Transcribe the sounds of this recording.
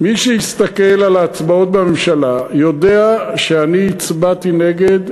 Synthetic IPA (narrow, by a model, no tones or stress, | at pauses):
miʃehist̪akelalaːt͡sbaot̪̚bamemʃalajo̞d̪e̞aʃeaniːt͡sbat̪ine̞ɡed̪